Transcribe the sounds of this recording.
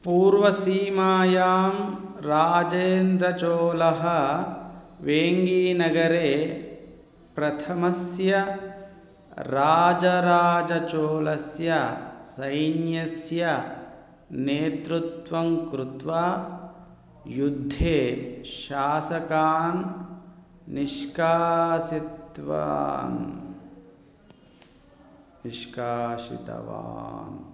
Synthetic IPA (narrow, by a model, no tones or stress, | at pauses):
puːɾʋɐsiːmaːjaːmɾaːd͡ʒeːnd̪ɾɐt͡ʃoːlɐɦɐ̆ | ʋeːŋɡiːnɐɡɐɾeː | pɾɐt̪ʰɐmɐsjɐ | ɾaːd͡ʒɐɾaːd͡ʒɐt͡ʃoːlɐsjɐsɐjnjɐsjɐ | neːt̪ɾut̪ʋɐmkɾut̪ʋaː | jud̪ʱːeːʃaːsɐkaːn | niʃkaːsit̪ʋa̰ːn | niʃkaːʃḭt̪ɐ̰ʋa̰ːn